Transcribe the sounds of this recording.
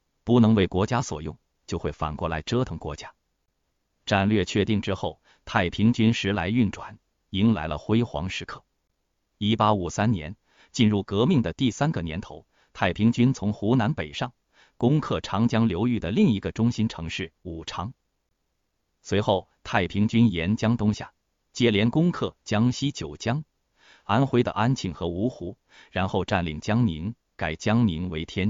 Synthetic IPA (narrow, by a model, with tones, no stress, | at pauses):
pu˧˥nɤ˧˥ŋwe˥˩ɪkwɔ˧˥t͡ɕja˥swɔ̰˨˩jʊ˥˩ŋ | t͡ɕjo˥˧ʊxwe˥˩ɪfa̰˨˩nkwɔ˥˩la˧˥ɪʈ͡ʂɤ˥t̪ʰɤ˧˥ŋkwɔ˧˥t͡ɕja˥ | ʈ͡ʂa˥˧nlɥɛ˥˧t͡ɕʰɥɛ˥˧t̪i˥˩ŋʈ͡ʂɻ̩˥xo˥˩ʊ | t̪ʰa˥˩ɪpʰi˧˥ŋt͡ɕy˥nʂɻ̩˧˥la˧˥ɪy˥˩nʈ͡ʂwa˨˩˦n | i˧˥ŋla˧˥ɪlə̰˧xwe˥ɪxwɑ̰˧˥ŋʂɻ̩˧˥kʰɤ˥˩ | i˥pa˥u˨˩sa˥nnjɛ˧˥n | t͡ɕi˥˧nɻu˥˩kɤ˧˥mi˥˩ŋd̪ə˩t̪i˥˩sa˥nɡə˨njɛ̰˧˥nt̪ʰo˧˥ʊ | t̪ʰa˥˩ɪpʰi˧˥ŋt͡ɕy˥nt͡sʰʊ˧˥ŋxu˧˥na˧˥npe˨˩ɪʂɑ˥˩ŋ | kʊ˥ŋkʰɤ˥˩ʈ͡ʂʰɑ˧˥ŋt͡ɕjɑ˥ŋljo˧˥ʊy˥˩d̪ə˩li˥˩ŋi˧˥ɡə˧ʈ͡ʂʊ˥ŋɕi˥nʈ͡ʂʰɤ˧˥ŋʂɻ̩˥˩u˨˩ʈ͡ʂʰɑ˧˥ŋ | swe˧˥ɪxo˥˩ʊt̪ʰa˥˩ɪpʰi˧˥ŋt͡ɕy˥njɛ˧˥nt͡ɕjɑ˥ŋt̪ʊ˥ŋɕja̰˥˩ | t͡ɕjɛ˥˩ljɛ˧˥nkʊ˥ŋkʰɤ˥˩t͡ɕjɑ˥ŋɕi˥t͡ɕjo˨˩ʊt͡ɕjɑ˥ŋ | a˥nxwe˥ɪd̪ə̰˧ʔa˥nt͡ɕʰi˥˩ŋxɤ˧˥u˧˥xu˧˥ | ɻa˧˥nxo˥˧ʊʈ͡ʂa˥˩nlḭ˨˩ŋt͡ɕjɑ˥ŋni˧˥ŋ | ka˨˩ɪt͡ɕjɑ˥ŋni˧˥ŋwe˧˥ɪt̪ʰjɛ˥n